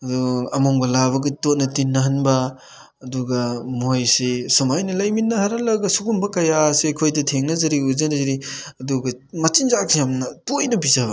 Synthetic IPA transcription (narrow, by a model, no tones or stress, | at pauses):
ɐduɐmoŋbɐlaβɐɡitot̚nɐtinːɐɦɐnbɐː | duɡɐmojsesumajnɐlɐjminːɐhɐɾɐlɐɡɐsukumbɐkɐjasekʰojdɐtʰeŋnɐzɐɾiuzɐnɐzɐɾiɐduɡɐ | mɐt͡ʃinzak̚sjamnɐtojnɐbizɐbɐ